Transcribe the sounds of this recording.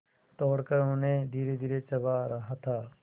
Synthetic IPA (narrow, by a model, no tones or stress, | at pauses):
t̪ɔːɽkəɾõːnẽːd̪ʱiːɾeːd̪ʱiːɾeːt͡ʃəʋaːɾəɦat̪ʰaː